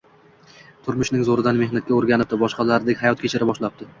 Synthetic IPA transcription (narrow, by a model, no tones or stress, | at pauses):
t̪ʰʊɾmʊʃnɪŋzoɾɪd̪anme̞hnat̪̚kʲaoɾɡʲanɪp̚d̪ɪbɒʃqɑlaɾd̪ekʲhajɒt̪̚kʲe̞t͡ʃʰɪɾɪbɒʃlap̚d̪ɪ